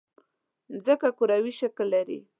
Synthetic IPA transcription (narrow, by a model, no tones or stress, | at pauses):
zəkakuɾawiʃaklːaɾḭ